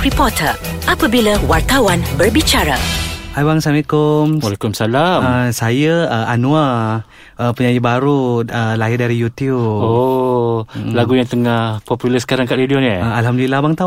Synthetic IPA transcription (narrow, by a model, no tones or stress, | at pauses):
ɾipɔt̪ʰəʔapəbilawart̪awanbərbit͡ʃaɾa̰hajbaŋsamikumwalakʊmsalaməsajəəanũa | əpəɲajəbaɾuəlaɪdaɾijut̪jubo | laɡujaŋt̪əŋahpɔpjuləsə̥kaɾaŋkaʔɾidionəaalɦamdulilabaŋt̪a